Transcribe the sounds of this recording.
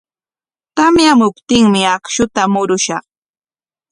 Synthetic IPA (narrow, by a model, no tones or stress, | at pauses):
t̪amjamʊpt̪ɪŋmɪakʃʊt̪amʊɾʊʃɑχ